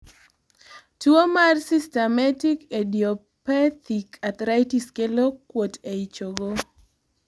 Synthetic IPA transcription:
tuomarsistɛmatikedio | pɛt̪ikʰat̪ɾajtiskelokːwoteit͡ʃoɡo

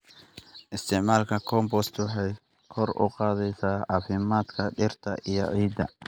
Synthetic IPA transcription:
ʔɪst̪ʰɪʕmaːlkʰɐkʰɔmbɔst̪ʰwɑħɛj | kʰɔɾʊ̰qɑːðɛjsaːafɪmaːd̪kʰɐɗɪrt̪ʰɐʔɪjɔ̰ʕiːd̪ɐ̰

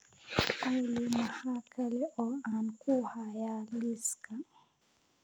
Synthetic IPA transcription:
alimahakʰalɛʔɔankuhajaliska

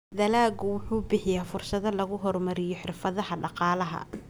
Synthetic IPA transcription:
d̪ɐlaːɡʊwʊħuːbɪħɪjaːfʊrsɐðɐlɐɣʊɦɔrmɐɾɪjɔħɪrfɐðɐhɐɖɑqɑːlɐɦɐ̰

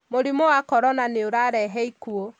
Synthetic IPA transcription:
moɾimowakɔɾɔnaneoɾaɾɛɦɛikuo

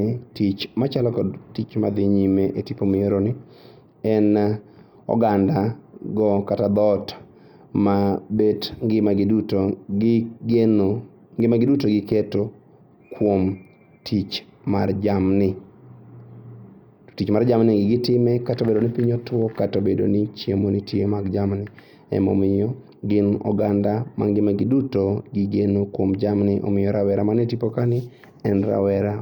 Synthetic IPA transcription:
ɪtit͡ʃmat͡ʃalɔkɔdtit͡ʃma̰d̪ɪɲimeʔetipomieɾonɪ | ɛn | ɔ̰ɡandaɡɔkatad̪ɔt | mabedɡɪmaɡduto | no | ŋɡɪmaɡɪdutoɡɪketo | kwom | tʰit͡ʃ | mard͡ʒamnɪ | tit͡ʃmaɾd͡ʒamnɪɡɪɡɪtɪmɛkatobedonɪpiɲotwɔkatobedo̰nit͡ʃjemonitʰjemaɡd͡ʒamnɪ | ɛ̰mɔ̰mɪjɔ | ɡɪnɔ̰ɡandama̰ŋɡɪmaɡɪdutoɡɪɡenokwomd͡ʒamnɪʔo̰mɪjɔɾawɛɾamanetipokanɪ | ɛnɾa̰wɛɾa

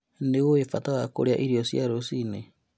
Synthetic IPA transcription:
newoefataɣako̰ɾeaʔiɾiosjaɾosine

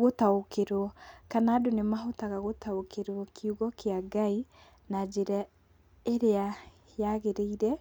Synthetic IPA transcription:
ɣotaokeɾwɔkanaːdonemaɦotaɣaɣotaokeɾwɔkʰiuɣɔkʰeaɡai | nad͡ʒeɾɛ | eɾea | jaɣeɾeiɾɛ

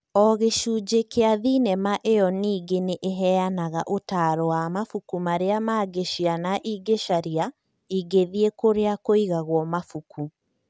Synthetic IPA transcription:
ɔɣeʃuːd͡ʑekeaðinɛmaʔejɔniːɡeneʔeɦɛanaɣaʔotaːɾɔwamafukumaɾeamaːɡeʃianaʔiɡeʃaɾia | iɡeðiekoɾeakoiɣaɣwɔmafukʰu

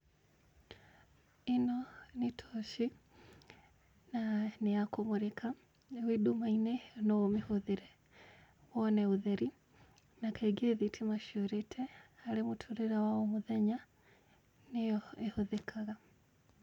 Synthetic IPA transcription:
enɔnetʰɔʃi | naneakomoɾekʰa | ewedumainɛnɔomehoðeɾɛ | wɔnɛuðɛɾi | nakaɡeðitʰimaʃioɾɛtʰɛaɾemotʰoɾeɾawaɔmoðɛɲa | nejɔehoðekʰaɣa

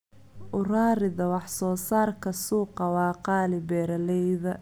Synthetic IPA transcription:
ʔʊraːɾɪðɐwɑħsɔːsaːrkʰɐsuːqɐwɑːqɑːlɪbɛːɾɐlɛjðɐ

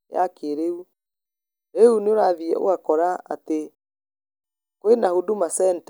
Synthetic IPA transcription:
ja̰keɾeu | ɾeuneoɾaðiɛ̰ʔo̰akɔɾaa̰te | kwenahodumasɛnt

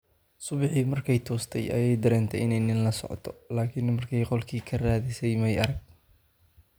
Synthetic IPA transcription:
sʊβɪħiːmɐrkʰɛjt̪ʰɔːst̪ʰɛ̰jʔɐ̰jɛjd̪ɐɾɛːnt̪ʰɛʔɪnɛjnɪnlɐsɔ̰ʕ̰t̪ʰɔlaːkʰɪnmɐrkʰɛjqɔlkʰiːkʰɐraːðɪsɛjmɛjɐɾɐɡ̚

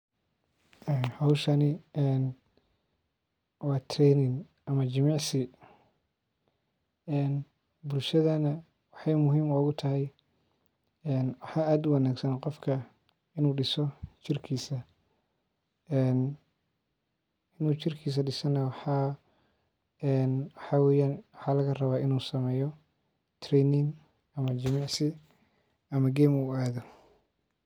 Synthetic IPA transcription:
ʔɛːnhɔwʃɐnɪɛːn | wɑːt̪ʰrɛnɪŋ | ʔɐmɐt͡ʃɪmɑʕsɪ | ɛːn | bʊlʃɐðɐnɐ | wɑħɑjmʊɦiːmɔːɣʊt̪ʰɐɦɛj | ɛːnwɑħɑːaːd̪ʊwɐnaːɡsɐnqɔfkʰɐ | ɪnuːɖɪsɔt͡ʃɪrkʰiːsɐ | ɛːn | ɪnuːt͡ʃɪrkʰiːs̬ɐɖɪsɔnɐwħɑ | ɛnwɑħɑːwɛːjaːnwɑħɑːlɐɣɐrɐβaːɪnuːsɐmɛːjɔ | t̪ʰrɛjnɪŋ | ɐmɐt͡ʃɐmɑʕsɪ | ʔɐmɐɡɛːmuaːðɔ

